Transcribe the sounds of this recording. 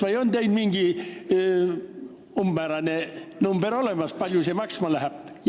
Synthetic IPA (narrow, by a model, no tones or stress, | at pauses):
vɑjo̞nd̪ejnmiŋɡ̥i | ummæːɾɑnenumb̥eɾo̞le̞mɑspɑlʲjusemɑksmɑlæɦæb̥j